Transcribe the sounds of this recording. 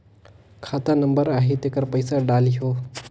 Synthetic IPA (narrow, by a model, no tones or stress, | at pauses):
kʰaːt̪anəmbəɾaːɦit̪eːkəɾpəjsaɖaːliɦoː